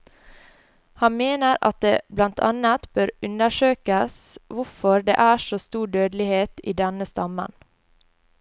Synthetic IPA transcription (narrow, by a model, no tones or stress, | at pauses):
hɑnmeːnəɾʔɑ̰t̪̚d̪eːblɑnt̪ʰɑ̰nɑt̪bøɾʉnəʃøːkəsʋʊfɔɾd̪ḛːʔæːʃoːst̪uːɖøːd̪lɪheːt̪ḭːd̪ɛnəst̪ɑmə̰n